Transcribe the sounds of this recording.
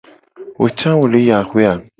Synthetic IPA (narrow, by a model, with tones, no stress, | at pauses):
wo̰˨t͡ʃã˦wo˨le˨˦ja˨xwe˦a˨